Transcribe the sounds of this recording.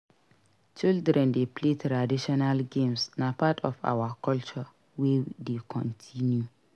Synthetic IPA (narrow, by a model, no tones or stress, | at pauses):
t͡ʃildɾɛ̃ndepʰletʰɾadiʃɔnalɡẽmsnapʰatʰɔfa̰wakʰɔlt͡ʃɔ | wɛdekʰɔ̰̃ntʰĩnju